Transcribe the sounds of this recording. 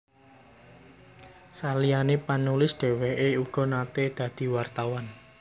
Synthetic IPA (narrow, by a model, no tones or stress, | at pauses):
salijanepanulɪsd̪̥e̤weɦʔeuɡ̥ɔ̤nat̪ed̪̥ä̤d̪̥i̤wart̪awan